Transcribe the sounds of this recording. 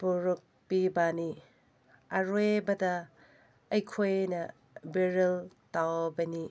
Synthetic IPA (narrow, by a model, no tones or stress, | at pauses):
buɾuk̚pibani | ɐɾwebɐdɐ | ɐjkʰojnɐ | biɾiltawbɐni